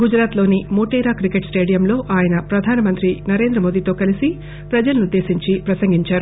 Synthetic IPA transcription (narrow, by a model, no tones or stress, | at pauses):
ɡud͡ʒɾaːt̪lo̞ːnimoːʈeːɾaːkɾikeʈsʈe̞ːɽijɐmlo̞ːʔaːjɐnɐpɾɐd̪ʱaːnɐmɐnt̪ɾinɐɾe̞ːnd̪ɾɐmo̞ːd̪iːt̪o̞ːkɐlisi | pɾɐd͡ʒɐlɐnud̪ːe̞ːsiɲt͡ʃipɾɐsɐŋɡiɲt͡ʃaːɾu